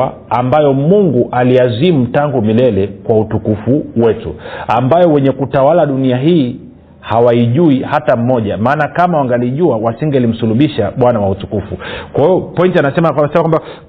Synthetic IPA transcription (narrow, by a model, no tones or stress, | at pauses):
a | ambajɔmuŋɡuʔaliazimutaŋɡumilɛlɛkwautukufuwɛtṵambajɔwɛɲɛkutawalaɗuniaɦiː | hawaiʄuihatam̩mɔʄamaːnakamawaŋɡaliʄuawasiŋɡɛalim̩suluɓiʃaɓwanawautukufukwahiɔpɔintianasɛmasɛmakwamba